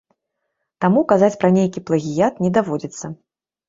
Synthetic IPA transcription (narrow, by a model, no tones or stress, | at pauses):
t̪amukazat͡sʲpɾɐnʲejkʲiplˠɐɣʲijat̪nʲɛd̪avɔd͡zʲit̪sːɐ